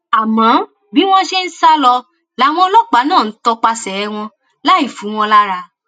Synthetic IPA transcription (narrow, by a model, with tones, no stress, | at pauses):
a˨mã˨˦ | bi˨˦w̃ɔ̃˦ʃe˦n̩˦sa˦lɔ˧ | la˨˦w̃ɔ̃˧lɔ˦k͡pa˨˦nãː˦˨n̩˦tɔ˧k͡pa˧sɛ˨ɛ˧w̃ɔ̃˧ | la˦i˦˨fu˨˦w̃ɔ̃˧la˦ɾa˧